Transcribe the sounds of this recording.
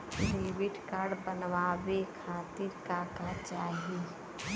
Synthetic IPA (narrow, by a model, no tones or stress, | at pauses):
ɾeːʋɪʈkaːɾɖbənʋaːwekʰaːt̪iɾkaːkat͡ʃaːɦi